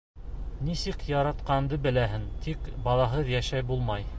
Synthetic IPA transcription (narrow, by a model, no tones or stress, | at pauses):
nisikjɑɾɑt̪qɑnd̪ɤbɘ̆læɦɘnt̪ʰikbɑlˠɑɦɤðjæʃæjbulˠmɑj